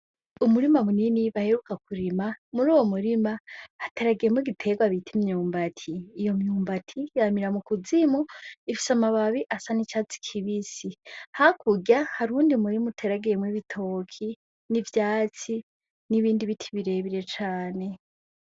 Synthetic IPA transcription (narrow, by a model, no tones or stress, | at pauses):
umuɾimamuniniβahe̞ɾukakuɾimamuɾuːwomuɾimaːte̞ɾaɡijemwiɡitʰe̞ɡwaβitʰimɲuːmbatʰiːjo̞mɲuːmbatʰijamiɾamukuzimuifi̥samaβaβiʔasanit͡ʃaːt͡si̥kʰiβisihakuɡahaɾuːndiumuɾimutʰe̞ɾaɡijemwiβitʰo̞ːkʰi | nivjaːt͡si | niβiːndiβitʰi̥βiɾe̞βiɾe̞t͡ʃaːne̞